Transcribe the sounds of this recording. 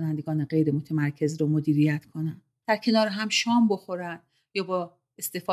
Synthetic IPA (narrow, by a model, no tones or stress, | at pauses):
nænd̪e̞ɡɒːneɢe̞jɾemo̞t̪ʰemæɾkʰe̞zɾomo̞d̪iːɾijæt̪kʰo̞nænd̥̪d̪̥æɾcʰe̞nɒːɾeɦæmʃɒːmbo̞xo̞ɾænd̪̥ | jɒːbɒ | e̞st̪efɒː